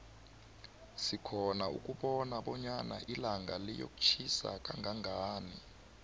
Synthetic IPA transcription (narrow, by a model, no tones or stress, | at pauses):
sikʰɔnaṵk̬ʼuɓɔnaɓɔɲana̰ʔilaŋɡalɛjo̰kʼu̥t͡ʃʰisa̰k̬ʼaŋʱaŋʱaːni